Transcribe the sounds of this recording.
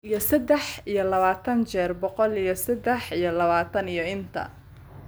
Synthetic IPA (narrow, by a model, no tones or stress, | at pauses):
ijɔsɐd̪ɛħijɞlɐβaːt̪ʰɐnt͡ʃɛːrbɔqɔlijɞsɐd̪ɛħijɞlɐβaːt̪ʰɐnijɔɪnt̪ʰɐ̰